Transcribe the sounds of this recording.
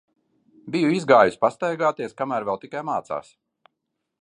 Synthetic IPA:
bʲijuizɡaːjuspast̪ajɡaːt̪iɛskamæːɾvɛlˠt̪ikajmaːt̪sa̰ːs

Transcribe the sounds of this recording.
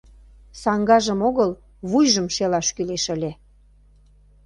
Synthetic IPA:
sɑŋɡɑʒəmoɣəl | βujʒəmʃelɑʃkyleʃə̆lʲe

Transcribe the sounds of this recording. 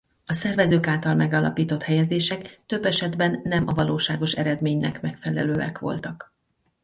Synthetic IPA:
ɒsɛrvɛzøːkaːlt̪ɒlmɛɡaːlːɒ̰piːt̪o̞t̪hɛjɛzeːʃɛkt̪ø̞bːɛʃɛd̪bɛnːɛmɒvɒloːʃaːɡo̞ʃɛɾɛd̪meːɲnɛ̰kmɛkfɛlɛ̰løːɛ̰kʋo̞̰lt̪ɒk

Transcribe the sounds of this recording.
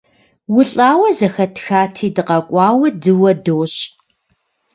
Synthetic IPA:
wʊɬʼaːwɐzɐxɐtxaːtʰiːdɨqɐkʷʼɑːwɐdɨwɐdoːɕ

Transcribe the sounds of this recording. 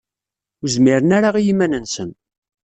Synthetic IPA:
uzmiɾənaɾaʁijimænənsən

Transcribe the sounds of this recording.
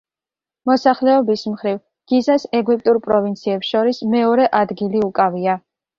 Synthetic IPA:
mɔsaχlɛɔbismχɾiv | ɡ̥izasɛɡwip̚ʼt̪ʼuɾpʼɾɔvint̪sʰiɛpsʃɔɾismɛɔɾɛʔad̪ɡiliukʼavia

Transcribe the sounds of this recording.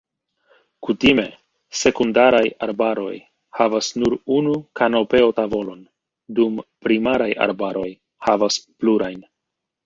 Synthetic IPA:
kutime̞̰ | se̞kundaɾajaɾbaɾo̞̰j | havasnuɾunukano̞pe̞otavo̞lo̞n | dumpɾimaɾaja̰ɾbaɾo̞j | havaspluɾajn

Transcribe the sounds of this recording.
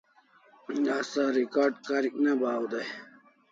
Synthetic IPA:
asaɾikaːɾɖkaɾik̚nabaːwd̪aj

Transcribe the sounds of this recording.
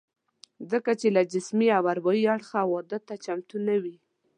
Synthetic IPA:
zəkat͡ʃelad͡ʒɪsmiawaɾbɔjiaɽxawɔd̪ət̪ːat͡ʃamt̪unawi

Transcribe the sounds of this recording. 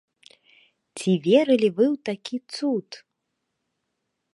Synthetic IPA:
t͡sʲivʲɛɾɨlʲibɨwt̪akʲʰit̪sut̪

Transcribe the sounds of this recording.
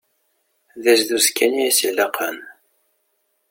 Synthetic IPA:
ðæzðuskːæniæsilɑqən

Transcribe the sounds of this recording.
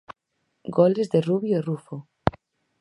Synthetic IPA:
ɡolezðeruβjoerufo

